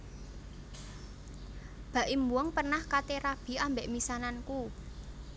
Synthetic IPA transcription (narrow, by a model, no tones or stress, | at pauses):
b̥ä̤ʔimbuəŋpərnahkat̪eɾab̥i̤ambeʔmisananku